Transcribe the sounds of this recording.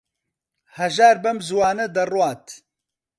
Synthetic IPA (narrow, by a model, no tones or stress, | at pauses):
hɐʒaːɾbɐmzuwaːnɐd̪ɐrwɑːt̪ʰ